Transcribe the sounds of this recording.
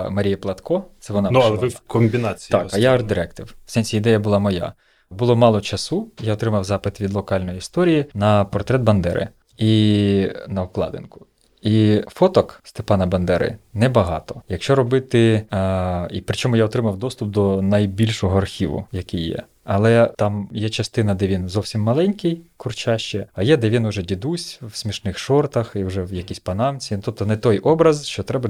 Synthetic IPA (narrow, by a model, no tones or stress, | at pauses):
mɐɾʲijɐplˠɐt̪kʰɔt̪sɛʋɔnɑnuɐɛʋɪkɔmʲbʲinat͡sʲt̪akɐjaɐrd̪ɪɾɛkt̪ɪw̥sɛnʲsʲiid̪ɛjɐbʊlˠɑmɔja̰ | bʊlˠɔmɑlˠɔt͡ʃɐsujaɔt̪ɾɪmɐwzɑpɪt̪ʋʲid̪lˠɔkɑlʲnɔjiist̪ɔɾʲijinɐpɔrt̪ɾɛd̪bɐnd̪ɛ̰ɾɪ̰ | i | nɐwklˠɑ̰d̪ɪ̰nkʊ̥ | ifɔt̪ɔkst̪epɑnɐbɐnd̪ɛɾɪ̰nɛbɐɦɑ̰t̪ɔ̥jɐkʃt͡ʃɔɾɔbɪt̪ɪ | ipɾɪt͡ʃɔmʊjaɔt̪ɾɪmɐwd̪ɔst̪ʊp̚d̪ɔnɐjbʲilʲʃɔɦɔɐrxʲiʋʊ̰jɐkijːɛ̰ | ɐlˠɛt̪ɑmjɛt͡ʃɐst̪ɪnɐd̪ɛʋʲinzɔwsʲimːɐlˠɛnʲkɪjkʊrt͡ʃɑʃt͡ʃɛɐjɛd̪ɛʋʲinʊʒɛdʲid̪usʲwsʲmʲiʃnɪxʃɔrt̪ɐxiwʒɛwjɐkʲisʲpɐnɑmt͡sʲint̪ɔp̚t̪ɔnɛt̪ɔjʔɔbɾɐzʃt͡ʃɔt̪ɾɛbɐ